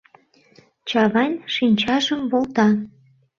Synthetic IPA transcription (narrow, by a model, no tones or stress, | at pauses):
t͡ɕɑβɑnʲʃinʲt͡ɕɑʒəmβolt̪ɑ